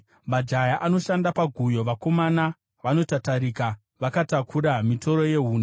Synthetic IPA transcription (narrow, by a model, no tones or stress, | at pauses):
mad͡ʒajaʔano̞ʃandapaɡʱujo̞ʋako̞mana | ʋano̞tataɾika | ʋakatakʰuɾamito̞ɾo̞je̞ɦuːna